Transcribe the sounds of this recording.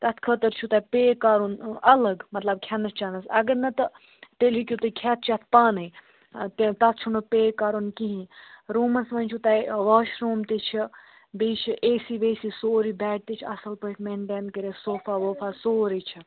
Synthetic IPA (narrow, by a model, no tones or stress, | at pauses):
t̪ɐt̪ʰkʰət̪əɾt͡ʃʰut̪ɐpeːkaːɾunɐlɐɡmɐt̪lɐb̚kʰʲanɐst͡ʃanɐsɐɡəɾnɐt̪ɐ | t̪elɦikʲjut̪ɨkʰaːt̪̚ʰt͡ʃʰɐt̪̚ʰpaːnɨj | t̪et̪ɐt̪̚ʰt͡ʃʰunupeːkaːɾunkiɦĩɾuːmɐsʋɐnʲt͡ʃʰut̪ɐjʋɐːʃɾoːmt̪it͡ʃʰi | beːt͡ʃʰiʔeːsiʋeːsisoːɾibɛːʈ̚t̪it͡ʃʰɐ̰sɐlpəʈʰmenɖeːnkəɾesoːfaːʋoːfaːsoːɾit͡ʃʰi